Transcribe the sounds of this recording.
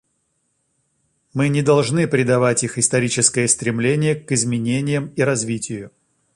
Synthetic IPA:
mɨnʲɪd̪ɐlˠʐnɨpɾʲɪd̪ɐvatʲixɪst̪ɐɾʲit͡ɕɪskəjəst̪ɾʲɪmlʲenʲɪjəkɨzmʲɪnʲenʲɪjəmiɾɐzvʲitʲɪjʊ

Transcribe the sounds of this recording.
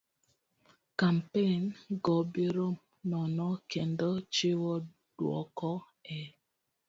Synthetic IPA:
kam̩penɡɔbeɾom | nɔnɔken̩dɔt͡ʃewɔ | d̥wɔ̰kɔ | ɛ

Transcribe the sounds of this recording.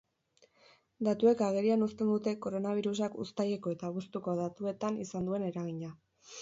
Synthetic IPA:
d̪at̪ue̞kaɣ̞e̞ɾianust̪e̞nd̪ut̪e̞ko̞ɾo̞naβ̞iɾus̬akṵst̪aje̞ko̞e̞t̪aβust̪uko̞ðat̪ue̞t̪anisand̪ue̞ne̞ɾaɣ̞iɲa

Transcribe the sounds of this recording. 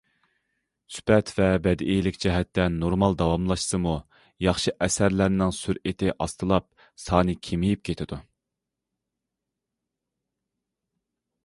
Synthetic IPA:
sy̥pʰɛt̪ʰvɛbɛd̪ʔejlɪkʲd͡ʒɛɦɛt̪ːɛnːoɾmɑlˠd̪ɑwɑmlˠɑʃsɨmu | jɑχʃɨʔɛsæɾlæɾnɪŋsyɾet̪ʰɪʔɑst̪ɨlˠɑp̚ | sɑːnɨkʲʰemijip̚kʲʰet̪ʰɪd̪̥u

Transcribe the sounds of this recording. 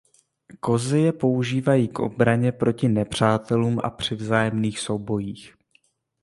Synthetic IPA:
ko̞zɪjɛpo̞uʒiːvajiːkʔo̞̰bɾaɲɛpɾo̞cɪnɛpr̝̥aːt̪ɛluːmʔa̰pr̝̥ɪvzaːjɛmniːxso̞wbo̞jiːx

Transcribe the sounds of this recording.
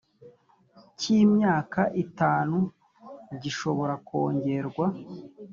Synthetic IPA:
cimɲaːkaʔitaːnu | ɟiʃo̞βo̞ɾako̞ːɲɟe̞ɾɡwa

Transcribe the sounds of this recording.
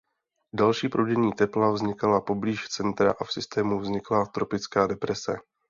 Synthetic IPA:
dalʃiːpɾodɛɲiːt̪ɛplavzɲɪkalapo̞bliːʃt͡sɛnt̪ɾa̰ʔafsɪst̪ɛːmuvzɲɪklat̪ɾo̞pɪt͡skaːdɛpɾɛsɛ

